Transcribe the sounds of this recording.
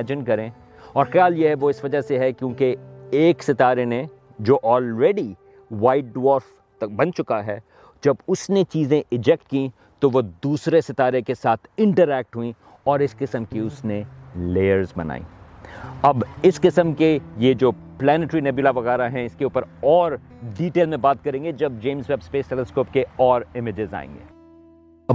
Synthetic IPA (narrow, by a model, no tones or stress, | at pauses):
d͡ʒɪnkɐɾẽ | ɔːɾxɐjaːljeɦɛʋoɪsʋɐd͡ʒaseɦɛkjõːkeeːksɪt̪aːɾene | d͡ʒoːʔɔːlɾeːɖi | ʋaːɪʈ̚ɖʋɔːɾf | bɐ̃nt͡ʃʊkaɦɛː | d͡ʒɐbʊsnet͡ʃiːzẽʔɪd͡ʒɛk̚ʈ̚kĩ | t̪oʋod̪uːsɾesɪt̪aːɾekesaːt̪ʰɪ̃ɳʈəɾɛːk̚ʈɦuĩ | ɔːɾɪskɪsəmkiʊsneleːəɾzbɐ̰na̰ːḭ | ɐbɪskɪsəmkejed͡ʒoː | plɛːnɪʈɾinɛbjʊlaʋɐɣɛːɾaɦɛ̃ɪskeuːpəɾɔːɾ | ɖiːʈeːlmẽbaːt̪̚kɐɾẽːŋɡed͡ʒɐb̚d͡ʒẽːmzʋɛbspeːsʈɛləskoːpkeɔːɾɪmɪd͡ʒɪza̰ːḛ̃ːŋɡḛː